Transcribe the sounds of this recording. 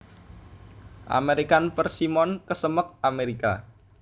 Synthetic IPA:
ʔa̰meɾikanpərsimɔnkəsəmək̚ameɾika̰

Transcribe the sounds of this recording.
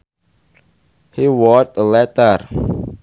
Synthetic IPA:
hiwɔt̚əlɛtər

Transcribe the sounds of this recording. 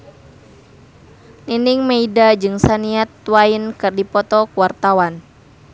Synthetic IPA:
niniŋmeidad͡ʒɨŋsaniat̪ːwainkɨrdipɔt̪ɔkuwart̪awan

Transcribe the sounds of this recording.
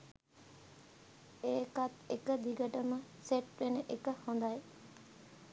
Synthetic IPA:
eːkat̪ekəd̪iɡəʈəməseʈʋenəʔekəhõnd̪aj

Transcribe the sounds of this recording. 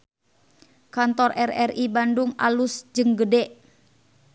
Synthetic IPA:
kant̪ɔrɛrɛribanduŋa̰lusd͡ʒɨŋɡədɛʔ

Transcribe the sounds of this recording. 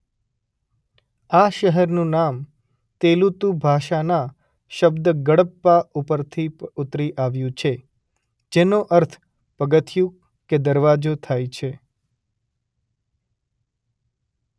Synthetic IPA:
aʃəɦəɾnũnam | t̪elut̪ubʱaʃana | ʃəbd̪əɡəɽəpːaupəɾt̪ʰiut̪ɾiʔaʋjũt͡ʃʰe | d͡ʒenoʔəɾt̪ʰ | pəɡət̪ʰjũ | ked̪əɾʋad͡ʒot̪ʰajt͡ʃʰe

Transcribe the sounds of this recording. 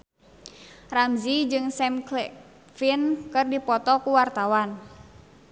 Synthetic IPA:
ramzid͡ʒɨŋsɛmklɛ | finkɨrdipɔt̪ɔkuwart̪awan

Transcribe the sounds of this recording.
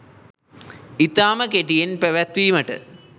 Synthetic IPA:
it̪ːaːmɐkeʈijenpeʋɐt̪ʋiːmɐʈɨ̰

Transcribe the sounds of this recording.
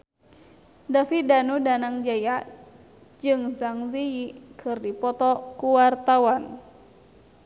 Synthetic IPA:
dafidanudanaŋd͡ʒaja | d͡ʒɨŋsaŋziikʰɨrdipɔt̪ɔkuwart̪awan

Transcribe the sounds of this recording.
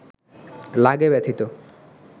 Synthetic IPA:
laɡebɛt̪ʰit̪o

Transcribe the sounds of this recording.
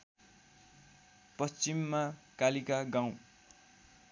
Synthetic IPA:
pʌst͡ɕimːakalikaɡãw̃

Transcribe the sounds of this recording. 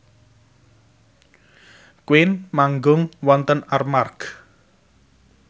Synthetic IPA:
kwɪnmaŋɡʊŋwɔnt̪ənarmark

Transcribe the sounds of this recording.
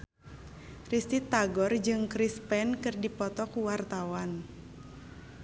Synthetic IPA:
rist̪it̪aɡɔrd͡ʒɨŋkɾispɛnkɨrdipɔt̪ɔkuwart̪awan

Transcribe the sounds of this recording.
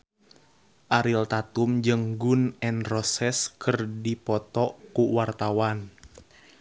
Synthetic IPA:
ʔaɾilt̪at̪umd͡ʒɨŋɡunɛnrɔsɛskʰɨrdipɔt̪ɔkuwart̪awan

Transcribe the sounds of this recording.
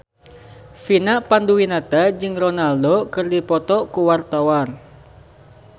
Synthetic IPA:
finaʔpanduwinat̪ad͡ʒɨŋrɔnaldokɨrdipɔt̪ɔkuwart̪awan

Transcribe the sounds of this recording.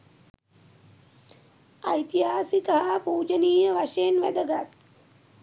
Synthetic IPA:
a̰jt̪iɦaːsikəɦapuːd͡ʒəniːjəʋaʂejenʋæ̰d̪əɡat̪

